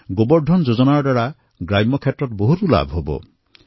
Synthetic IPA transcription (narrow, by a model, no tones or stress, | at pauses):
ɡobɔɾɖʱɔnd͡ʒod͡ʒɔnaɾɔɖwaɽa | ɡɾajmɔkʰjetːɾɔt̪ɔboɦut̪ula̰bʱɦobɔ̰